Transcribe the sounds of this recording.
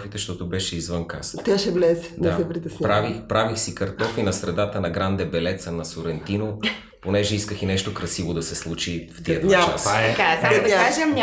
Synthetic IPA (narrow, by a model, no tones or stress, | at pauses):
fit̪ɛʃt̪ɔt̪obɛʃɛizvənka̰st̪ʲaʃɛvlɛsɛ̥dnɛasɛpɾit̪əsnʲpɾavixpɾavixsikɐɾt̪ɔfinɐsɾɛd̪at̪ənɐɡɾand̪ɛbɛlɛt̪sənɐsoɾɛnt̪ino | ponɛʒɛiskəxinɛʃt̪okɾɐsivod̪ɐsɛslˠut͡ʃift̪iɐt̪t͡ʃasakaɛsaakaʒɛmɲʲ